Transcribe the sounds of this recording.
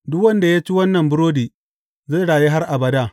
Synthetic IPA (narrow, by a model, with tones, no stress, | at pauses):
dʊ˦kwɐ˦nda˨ja˦t͡ʃi˦wɐ˦nːɐ˨mbʊ˦ɾoː˦diː˨ | za˦˨ɽaː˨ji˦ɦa˦rʔa˨bɐ˨daː˦˨